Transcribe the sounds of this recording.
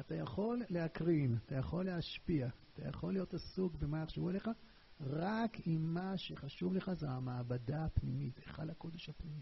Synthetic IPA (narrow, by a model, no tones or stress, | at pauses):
at̪ajaχo̞lːe̞akʁinat̪ajaχo̞lːeaʃpiaːt̪a̰ja̰χo̞lːijo̞tasuɡvemaaχʃavualeχa | ʁakimːaʃe̞χaʃuvleχazeamaːbadapnimit̪eχa̰dhako̞d̪eʃhapnimi